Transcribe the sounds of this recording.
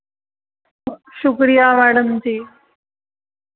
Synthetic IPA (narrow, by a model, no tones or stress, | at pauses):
kupɕukɾijamæɽəmt̪iː